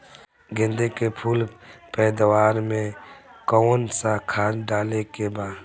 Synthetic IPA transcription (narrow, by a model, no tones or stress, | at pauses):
ɡɪ̃nd̪ekepʰuːlpɛːd̪waːɾmẽkɔːnsakʰaːɖaːlekebaːd̪